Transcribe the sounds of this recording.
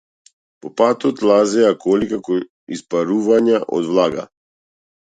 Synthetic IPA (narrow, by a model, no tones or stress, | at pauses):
pɔpat̪ɔt̪lˠazɛakɔlikakɔ | ispaɾuvaɲaʔɔ̰d̪vlˠaɡa̰